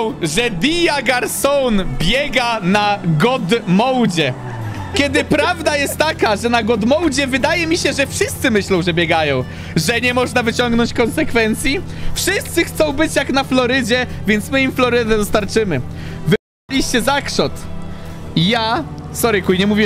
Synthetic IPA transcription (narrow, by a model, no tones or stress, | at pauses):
wʐɛd̪ʲijaɡaɾsɔnbʲjɛɡanaɡɔd̪mɔwd͡ʑɛ | kʲɛd̪ɘpɾavd̪ajɛst̪ːakaʐɛnaɡɔd̪mɔwd͡ʑɛvɘd̪ajɛmʲiɕɛʐɛfʂɘst̪sɘmɘɕlɔ̃w̃ʐɛbʲjɛɡajɔ̃w̃ | ʐɛɲɛmɔʐnavɘt͡ɕɔŋɡnɔɲt͡ɕkɔnsɛkfɛnt̪sʲji | fʂɘst̪sɘxt̪sɔ̃w̃bɘt͡ɕjaknaflɔɾɘd͡ʑɛvʲjɛnt̪smɘimflɔɾɘd̪ɛd̪ɔst̪aɾt͡ʂɘmɘvɘp | alʲiɕt͡ɕɛzakʂɔt̪ | jasɔɾɘkujɲɛmuvʲi